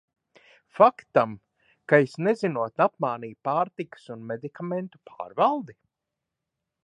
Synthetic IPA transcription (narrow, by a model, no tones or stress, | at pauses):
fakt̪am | kajɪsnezinuɔt̪apmaːniːpaːɾt̪ikə̥sunmed̪ikament̪u̥pʰa̰ːɾvalˠd̪i